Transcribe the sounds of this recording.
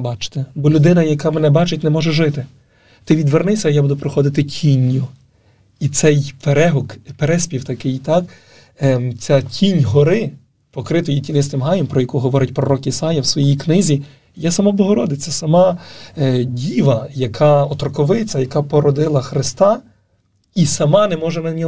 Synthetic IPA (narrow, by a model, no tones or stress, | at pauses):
bɑt͡ʃɪ̥t̪ɪbɔlʲʊd̪ɪnɐjɐkɑmɛnɛbɑt͡ʃɪtʲnɛmɔʒɛʒɪt̪ɪ | t̪ɪʋʲid̪ʋernɪsʲɐjabud̪ʊpɾɪxɔd̪ɪt̪ɪtʲʰinʲːʊ | it̪sɛjpeɾɛɦɔkpeɾɛsʲpʲiwt̪ɐkɪjit̪ɑk | t͡sʲatʲʰinʲɦɔɾɪ | pɔkɾɪt̪ɔjitʲinɪst̪ɪmɦɑjɛmpɾɔjɐkuɦɔʋɔɾɪtʲpɾɔɾɔkisɑjɐwsʋɔjijknɪzʲi | jasɐmɔblˠɔɦɔɾɔd̪ɪt͡sʲːɐsɐmɑ | dʲiʋɐjɐkʰɑɔt̪ɾɔkɔʋɪt͡sʲɐjɐkɑpɔɾɔd̪ɪlˠɐxɾɪst̪ɑ | isɐmɑnɛmɔʒɛnɐnʲɔ